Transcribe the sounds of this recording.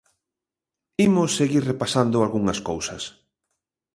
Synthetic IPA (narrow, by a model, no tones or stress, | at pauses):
imʊsːeɣiɾrepasand̪ʊalɣuŋɐskowsɐs